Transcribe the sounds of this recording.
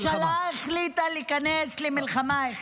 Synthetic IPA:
ʃalaχlit̪alikaneslimilχamaχ

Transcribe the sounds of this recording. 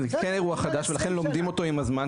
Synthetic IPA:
zekene̞ʁuaχad̪aʃvelaχe̞nlo̞md̪imo̞t̪o̞imazman

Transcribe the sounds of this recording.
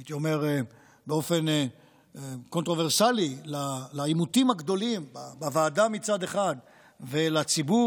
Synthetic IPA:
t̪iome̞ʁ | beo̞fe̞n | ko̞nt̪ʁo̞veʁsalilalaimut̪imhaɡd̪o̞limbabavaːdamit͡sad̪e̞χad̪ | velat͡sibu

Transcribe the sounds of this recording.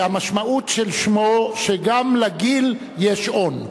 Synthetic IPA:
amaʃmaut̪ʃelʃmoʃeɡamlaɡil | jeʃon

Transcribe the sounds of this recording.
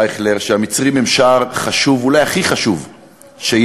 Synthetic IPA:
eχleʁʃeamit͡sʁimemʃaʁχaʃuvulajaχiχaʃuv | ʃej

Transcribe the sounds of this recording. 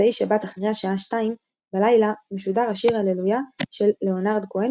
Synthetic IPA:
aiʃebat̪aχʁeaʃaaʃtaim | balajlameʃudaʁaʃiʁalelujaʃe̞lːe̞o̞naʁd̪koe

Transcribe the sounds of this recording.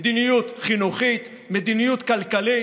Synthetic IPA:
d̪inijut̪χinuχit̪ | med̪inijut̪kalkali

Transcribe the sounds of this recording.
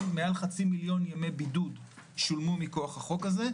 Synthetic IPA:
mealχat͡similjo̞njame̞bidudʃulmumiko̞aχhaχo̞kaze̞

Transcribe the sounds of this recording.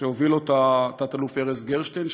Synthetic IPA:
eovilot̪at̪at̪alufeʁesɡeʁʃt̪en

